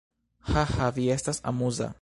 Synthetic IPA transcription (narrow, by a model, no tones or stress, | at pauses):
hahaviestasa̰muza̰